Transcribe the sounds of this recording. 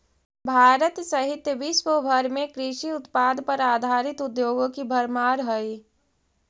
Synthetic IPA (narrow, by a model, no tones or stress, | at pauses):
bʱaːɾət̪sɐɦɪt̪jəʋɪʃwəbʱɐɾmẽkɾɪʃiʊt̪paːd̪pɐɾaːd̪ʱaːɾɪt̪ʊd̪joːɡõkibʱɐɾmaːɾɦəi